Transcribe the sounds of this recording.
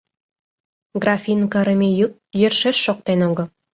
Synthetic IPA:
ɡrɑfʲinkɑ̆ɾə̆mʲejuk̪̚jɘ̆rʃeʃːok̚t̪enoɡɤ̆

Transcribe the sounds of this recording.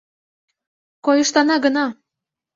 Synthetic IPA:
kojɤ̆ʃt̪ɑnɑɡə̆nɑ

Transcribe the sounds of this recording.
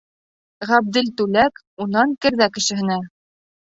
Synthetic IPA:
ʁæb̚d̪ɘlt̪ʉlæk | unɑŋkɘ̆ɾðækɘ̆ʃɘ̆ɦɘ̆næ

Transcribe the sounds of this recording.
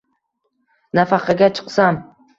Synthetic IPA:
nafɑqʰɑɡʲat͡ʃʰɨ̥qsam

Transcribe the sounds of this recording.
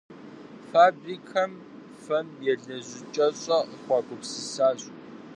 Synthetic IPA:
faːbriːkʰɐm | fɐmjɛɮɐʑʷɪt͡ʃʼɐɕʼɐəχʷɑːkʷʼʊpsɨsaːɕʼ

